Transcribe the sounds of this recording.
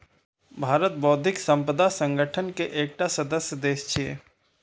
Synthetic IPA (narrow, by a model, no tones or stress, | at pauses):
bʱaːɾət̪̚bɔːd̪ʱɪksə̃mpəd̪asə̃ŋɡəʈʰənkeʔeːk̚ʈasɐd̪əsjəd̪eːst͡ʃʰiḛː